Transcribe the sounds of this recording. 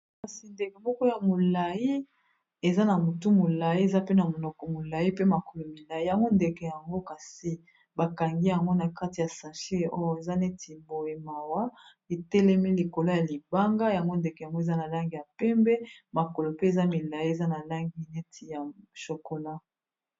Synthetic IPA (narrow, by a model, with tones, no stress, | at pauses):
ka˨si˨nde˨ke˨mɔ˦kɔ˦ja˨mo˨la˨ji˦ | e˨za˦na˨mo˨tu˦mo˨la˨ji˦e˨za˦pe˦na˨mo˨nɔ˨kɔ˨mo˨la˨ji˦pe˦ma˨ko˨lo˨mi˨la˨ji˦ja˨ŋɡo˦nde˨ke˨ja˨ŋɡo˦ka˨si˦ | ba˨ka˨ŋɡi˦ja˨ŋɡo˦na˨ka˦ti˨ja˨sa˨ʃe˦o˦jo˦e˨za˦ne˦tʰi˨bo˨e˨ma˨wa˦ | e˨tɛ˦lɛ˦mi˦li˨ko˨lo˦ja˨li˨ba˦ŋɡa˦ja˨ŋɡo˦nde˨kɛ˨ja˨ŋɡo˦e˨za˦na˨la˦ŋɡi˨ja˨pɛ˦mbɛ˦ma˨ko˨lo˨pe˦e˨za˦mi˨la˨ji˦e˨za˦na˨la˦ŋɡi˦ne˦tʰi˨ja˨ʃo˨ko˨la˦